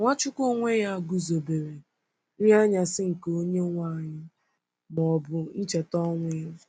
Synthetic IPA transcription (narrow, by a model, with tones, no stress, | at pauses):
ŋʷa˦t͡ʃʊ˦ko˦ŋʷe˦ja˦a˦ɡʊ˦zo˨be˨ɾe˨ | n̩˦ja˦ɲa˨sɪ˦ŋ̩˨ko˦ɲe˦ŋʷa˦˨ɲɪ˦ | mɔ˨bʊ˨n̩˦t͡ʃe˨tɔ˦ŋʷɪ˦ɾ